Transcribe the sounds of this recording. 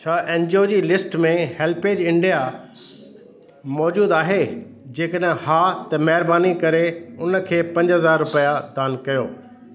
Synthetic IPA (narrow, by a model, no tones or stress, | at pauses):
t͡ɕʰaːʔɛ̃ːnd͡ʑioːd͡ʑiːlɪsʈmẽhɛːlpeːd͡ʑɪ̃ɳɖija | mɔːd͡ʑuːd̪aːɦed͡ʑeːkəɗɦɪ̃haːt̪ɐmɐɦɪɾbaːnikɐɾeʊnə̆kʰeːpɐ̃ɲd͡ʑɦɐzaːɾːʊpəjad̪aːnkɐjoː